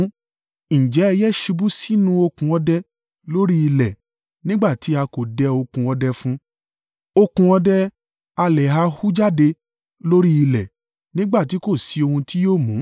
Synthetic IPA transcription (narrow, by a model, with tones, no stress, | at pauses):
n̩˨d͡ʒɛ˨˦ɛ˧jɛ˦ʃu˧bu˦si˦nũ˧˦o˧kũ˧ɔ˧dɛ˧ | lo˦ɾi˦i˧lɛ˨ | nĩ˦ɡ͡ba˦˨ti˨˦a˧ko˨dɛ˧o˧kũ˧ɔ˧dɛ˧fũ˦ | o˧kũ˧ɔ˧dɛ˧ | a˧lɛ˨ɦa˧hu˦d͡ʒa˦˨de˧ | lo˦ɾi˦i˧lɛ˨ | nĩ˦ɡ͡ba˦˨ti˨˦ko˦˨si˧o˧hũ˧ti˦joː˦˨mũ˨˦